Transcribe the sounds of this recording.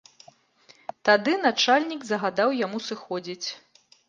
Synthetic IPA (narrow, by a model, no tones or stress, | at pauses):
t̪ad̪ɨnat͡ʂalʲnʲiɡzɐɣad̪awjamusɨxɔd͡zʲit͡sʲ